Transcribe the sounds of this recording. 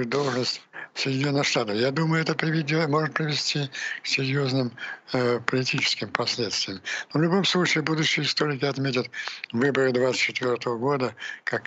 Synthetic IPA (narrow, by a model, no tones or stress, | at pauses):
d̪o̞lˠʐnəsʲtʲsədʲɪnʲonːəxʂt̪at̪əfjad̪uməjʊɛt̪əpɾʲɪvʲɪdʲmo̞ʐɨt̪̚pɾʲɪvʲɪsʲtʲiksʲɪɾʲjoznɨm | pəlʲɪtʲit͡ɕɪ̥skʲɪmpɐsʲlʲet̪st̪ʲvʲɪjəmnovlʲʊbo̞mslˠut͡ɕɪːbud̪ʊɕːɪjəɪst̪o̞ɾʲɪkʲɪɐt̪mʲetʲɪt̪vɨbəɾɨd̪vat̪sɨ̥tʲt͡ɕːɪt̪vʲort̪əvəɡo̞d̪əkak